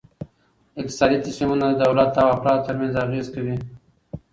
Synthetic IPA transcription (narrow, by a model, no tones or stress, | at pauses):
ɪk̚t̪ɪ̥sɑd̪it̪asmimunad̪əd̪awlat̪ːawafɾɑt̪̚t̪ːəɾmanzaɣezkawi